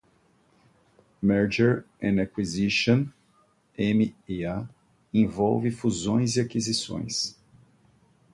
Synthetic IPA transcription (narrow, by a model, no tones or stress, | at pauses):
mɛɾd͡ʒeɾ | ɛ̃nakwiziʃõn | ẽmiea | ẽvɔwvɪfuzõj̃ziakizisõ̰j̃s